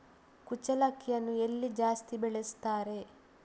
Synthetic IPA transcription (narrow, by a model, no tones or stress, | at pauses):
kut͡ʃɐlɐkʰːijɐnːuelːid͡ʒaːst̪ibeɭest̪aːɾe̞